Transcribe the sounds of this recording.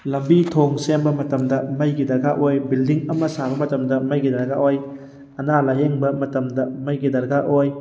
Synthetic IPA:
lɐmbitʰoŋsembɐmɐtɐmdɐmɐjɡidɐɾɡaʔojbildiŋɐmɐsabɐmɐtɐmdɐmɐjɡidɐɾɡaʔoj | ɐnalɐjeŋbɐmɐtɐmdɐmɐjɡidɐɾɡaʔoj

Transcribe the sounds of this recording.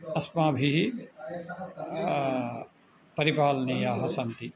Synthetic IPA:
ɐsmaːbʱiɦ | pɐɾipaːlnijaːɦɐsɐ̃nt̪i

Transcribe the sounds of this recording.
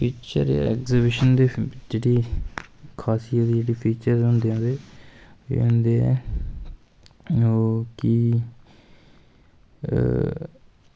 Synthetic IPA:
pʰiːt͡ʃə̰ɾḛɛ̰ːkzibɪʃənd̪eːd͡ʒeːɽiː | kʰaːsijəd̪iːd͡ʒeːɽiːpʰiːt͡ʃəɾɦõːnd̪eːãːd̪ḛ̃ː | nd̪eːɛ̰ | ki

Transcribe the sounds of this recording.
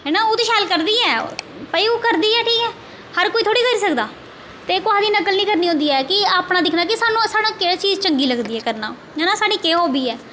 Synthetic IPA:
enaːoːt̪eːʃɛːlkəɾd̪iːɛː | pəiːoːkəɾd̪iːɛːʈʰiːkɛː | həɾkoːit̪ʰoːɽiːkəɾiːsəkd̪aː | t̪eːkoaːd̪iːnəkəlnĩːkəɾniːɦõnd̪iːɛːkɪaːpnaːd̪ɪkʰnaːkɪsaːnũːsaːɽãːkeat͡ʃiːzt͡ʃəŋɡiːləɡd̪iːɛːkəɾnaː | ɛːnaːsaːɽiːkeːɦoːbiːɛː

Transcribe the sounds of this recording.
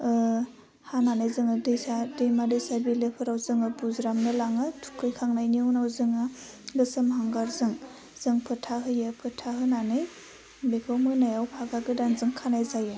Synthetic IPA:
ɯ | hananajzɯŋɯdɯjsadejmadɯsaɾbilepʰɯɾawzɯŋɯbuzɾamnɯlaŋɯtʰu̥kʰɯjkʰaŋnajniunawzɯŋɯ | lɯsɯmhaŋɡaɾzɯŋ | z̥ɯŋpʰɯtʰaɦɯjɯpʰɯtʰaɦɯnanɯj | bekʰawmɯnajawpʰaɡaɡɯdanzɯŋkʰanajzajɯ

